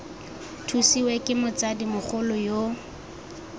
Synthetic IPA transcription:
tʰusiwekʼɪmʊt͡sadimʊχʰʊlʊjo

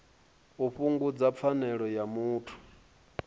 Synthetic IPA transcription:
uɸuŋɡud͡zap̪fʰanɛɺɔjamuːtʰu̥

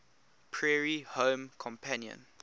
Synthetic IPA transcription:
pʰɹɛɹihõːmkʰɔ̃mpʰãnjə̰̃n

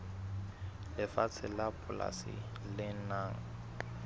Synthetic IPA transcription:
lɪfat͡sʰɪlapʰʼʊla̰sɪ̰ | lɪnaːŋ̩

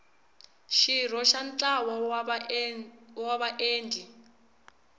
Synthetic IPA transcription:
ʃirɔʃant͡ɬʼawɔ | waβaʔeːndʱi

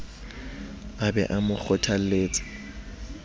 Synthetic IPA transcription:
abɛ̰ʔamʊk͡xʰɔtʰaleːt͡sʼɪ̥

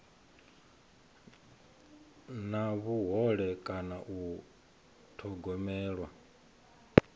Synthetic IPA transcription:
naβuɦɔɺɛkʼanaʔu | tʰɔɡɔmɛːɺwa

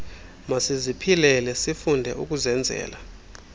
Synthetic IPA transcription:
masizipʰilɛlɛsifundʱɛ̰ʔuk̬ʼuzɛnd͡zʱɛ̰ːla

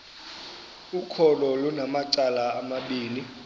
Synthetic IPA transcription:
ukʰɔlɔlunamat͡ʃʼalaːmaɓiːli

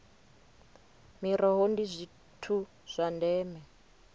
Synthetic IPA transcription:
miɾɔɦondizʷi | tʰu | z̥ʷandɛːmɛ

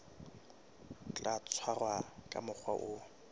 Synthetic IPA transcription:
t͡ɬʼat͡sʰwarwakʼa̰mʊk͡xʰwaʔʊ

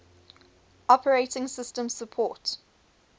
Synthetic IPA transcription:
ʔɔpʰəɹeɪtɪ̃ŋsɪstə̃msəpʰɔːˑt

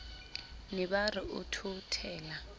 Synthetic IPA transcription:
niɓariʔutʰutʰɛːla

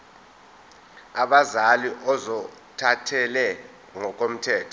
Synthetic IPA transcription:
aɓazaliʔɔzɔ | tʰatʰɛlɛ | ŋɔk̬ʼom̩tʰɛːtʰɔ

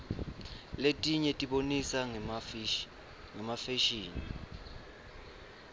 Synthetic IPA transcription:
letʼiɲɛtʼiɓonisa | ŋɛmafɛʃiːni

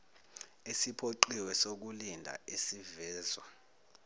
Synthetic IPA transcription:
esipʰoǃiwɛsok̬ulindʱa̰ʔesivɛːzwa

